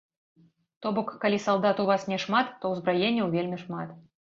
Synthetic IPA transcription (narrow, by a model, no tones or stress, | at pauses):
t̪ɔbɔkːalʲisalˠd̪at̪uvasnʲɛʂmat̪ːɔwzbɾajenʲːɐwvʲelʲmʲiʂmat̪